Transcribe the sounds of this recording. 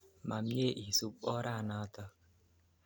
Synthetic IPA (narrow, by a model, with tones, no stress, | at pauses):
ma˨mje˦ʔi˨su˨k͡pɔ˦ɾa˦˨na˨˦tɔ˦